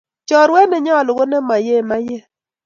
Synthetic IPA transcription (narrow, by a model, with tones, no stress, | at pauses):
t͡ʃɔ˨ɾwɛ˦nɛ˨ɲɔ˦˨lʊ˨ɡo˦nɛ˦ma˨je˦˨ma˦jɛ˦